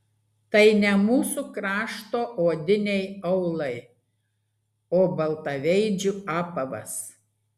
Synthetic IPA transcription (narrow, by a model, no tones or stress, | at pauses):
t̪ɐɪnʲɛmuːsukɾɑːʃt̪oːʔoːd̪ʲɪnʲɛɪɐʊlˠɐɪ | oːbɐlˠt̪ɐʋʲɛɪd͡ʒʲʊɑːpɐʋɐ̰s